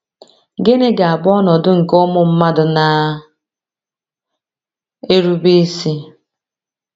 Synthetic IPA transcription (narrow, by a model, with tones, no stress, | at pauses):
ɡe˦ne˦ɡa˨a˨bɔ˦nɔ˨dʊ˦ŋ̩˨kʊ˦mʊ˨m̩˦ma˦dʊ˨na˨ | e˦ɾu˦be˦si˦